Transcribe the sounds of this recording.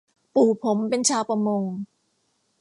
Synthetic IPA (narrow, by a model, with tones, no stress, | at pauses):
puː˨˩pʰo˩˦mpe˧nt͡ɕʰaː˧wpa˧mo˧ŋ